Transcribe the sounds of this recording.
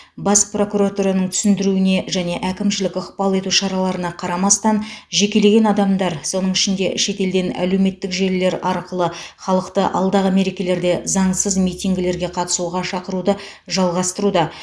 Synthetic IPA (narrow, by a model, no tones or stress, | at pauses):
bɑspro̞kuɾat̪uɾanəɴt̪ʰʏ̥sɪnd̪ɪɾuɪne̞ʒæne̞ʔækʲɪmʃɪlɪkʊqpɑlˠe̞t̪uʃɑɾɑlˠɑɾənɑqʰɑɾɑmɑst̪ɑnʒe̞kʲe̞le̞ɡʲe̞nɑd̪ɑmd̪ɑɾso̞nəɴɪʃɪnd̪e̞ʃe̞t̪e̞ld̪e̞næ̰le̞wme̞t̪ːɪkʒe̞lːe̞ɾɑɾqəlˠəχɑlˠəqt̪əʔɑ̰lˠd̪ɑʁəme̞ɾe̞kʲe̞le̞ɾd̪e̞zɑɴsəzmijt̪ʲijŋɡʲɪle̞ɾɡʲe̞qʰɑt̪ə̥suʁɑʃɑqəɾud̪ə | ʒɑlˠʁɑst̪əɾud̪ɑ